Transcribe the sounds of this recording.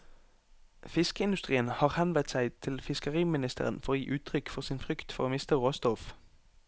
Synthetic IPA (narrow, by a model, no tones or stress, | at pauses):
fɪskəɪnd̪ʉst̪ʁiːənhɑːʁhɛnʋət̪sæɪt̪ʰɪlfɪskəʁiːmɪnɪst̪ʰə̰ʁə̰nfɔʁoːjḭːʔʉːt̪ʰʁʏkfɔʁsiːnfʁʏkt̪fɔ̰ʁoːmɪst̪əʁʁɔst̪ɔf